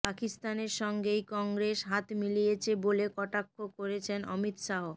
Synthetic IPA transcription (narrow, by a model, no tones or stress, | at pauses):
pakist̪aneɾʃɔŋɡejkɔŋɡɾeʃɦat̪milijet͡ɕʰebolekɔʈakʰːokoɾet͡ɕʰenɔ̰mit̪ʃaɦo